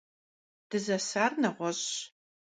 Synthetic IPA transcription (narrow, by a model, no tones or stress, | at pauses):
d̥ɨzɐsaːrnɐʁʷɔɕ